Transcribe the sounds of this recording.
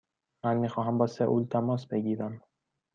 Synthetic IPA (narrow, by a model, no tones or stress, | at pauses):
mænmiːxɒːɦæmbɒːseʔult̪ʰæmɒːsbeɡiːɾæm